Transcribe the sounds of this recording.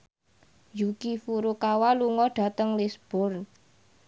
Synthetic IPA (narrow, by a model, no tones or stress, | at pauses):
jukifuɾukawaluŋɔɖ̥a̤t̪əŋlisb̥ʊr